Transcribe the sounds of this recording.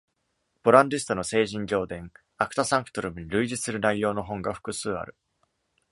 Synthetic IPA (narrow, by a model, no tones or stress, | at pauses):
b̥o̞ɾãnd̪isɨ̥t̪ono̞se̞ːʑĩɲɡʲo̞ːd̪ẽ̞ŋ | akɯ̟̥t̪asãŋkɯ̟̥t̪oɾɯ̟bɯ̟ɲiɾɯ̟iʑisɨɾɯ̟naijo̞ːno̞ɦõ̞ŋɡaɸɯ̥kɯ̟sɨːa̰ɾɯ̟